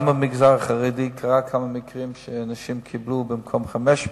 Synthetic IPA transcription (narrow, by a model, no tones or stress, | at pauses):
məmɪɡzaʁaχaʁeɪdiːkʰaʁakʰaməmɪkʁimʃəanaʃimkʰɪbluːbɪmkʰɔmχamɛʃ